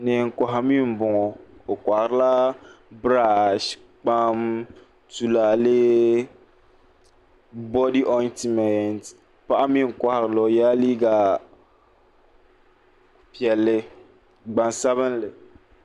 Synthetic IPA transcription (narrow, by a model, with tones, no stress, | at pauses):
ne˨ŋ̩˨ka˨ɦa˦mĩ˦m˨bʊ˨ŋɔ˨o˨kʷa˨hɾla˦ | bɾa˦˨ʃ | k͡pa˦m | tu˨la˨le˦ | bɔ˦di˦ʔɔ˦nti˦mɛ˨nt | pa˦ʔa˦mĩ˦ŋ̩˨kʷa˨hɾlɔ˨ja˦li˦ɡa˨ | pi˨ɛ˨lːɪ˦ | ɡ͡bã˨nsa˦βɪ˦n˦lɪ˨